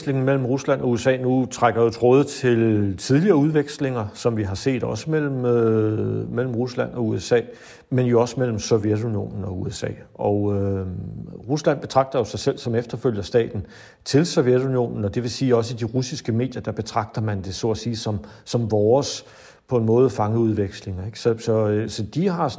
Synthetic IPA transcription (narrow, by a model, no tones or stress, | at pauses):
sle̝ŋn̩mel̰m̩ʁuslæn̰ʔɒ̽uesɛ̰ːnut͡sʰʁaɡ̥ɐjo̝t͡sʰʁɔːðˠt͡sʰe̝lt͡sʰið̞ˠliɐːuð̞ˠʋeɡ̥sle̝ŋɐsɒ̽mʋiɦɑ̈se̝̰ːd̥ɒ̽səmel̰m̩ | mel̰m̩ʁuslæn̰ɒ̽uesɛ̰ː | menjo̝ɒ̽səmel̰m̩sɔjedunijo̝̰ːnn̩ɒ̽uesɛ̰ː | ɒʊ | ʁuslæn̰b̥e̝t͡sʰʁɑ̈ɡ̥̚d̥ɐjo̝sɑ̈ɪsel̰sɒ̽mefd̥ɐføl̰jɐsd̥ɛ̰ːd̥n̩ | t͡sʰe̝lsɒʋjed̥unio̝̰ːnn̩ɒ̽d̥e̝ʋe̝siːɒ̽s̬əid̥iʁusisɡ̥əme̝̰ːd̥jɐd̥ɑ̈b̥e̝t͡sʰʁɑ̈ɡ̥̚d̥ɐmænd̥e̝sɔ̰ːsiːsɒ̽m | sɒ̽mʋɒːs | pʰɒ̽e̝nmɔ̽ːð̞̩ˠfɑ̈ŋəuð̞ˠʋeɡ̥sle̝ŋɐeɡ̥sɒsɒ̽sɒ̽d̥iɦɑ̈